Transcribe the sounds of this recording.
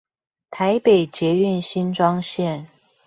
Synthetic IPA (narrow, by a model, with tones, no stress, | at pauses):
t̪ʰa˧˥ɪpe˨˩ɪt͡ɕjɛ˧˥y˥˩nɕi˥nʈ͡ʂwɑ˥ŋɕjɛ˥˩n